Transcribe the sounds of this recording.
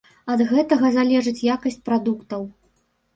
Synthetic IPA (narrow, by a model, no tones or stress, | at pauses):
ɐd̪ɣɛt̪ɐɣɐzalʲɛʐɨt͡sʲjakɐsʲt͡sʲpɾad̪ukt̪ɐw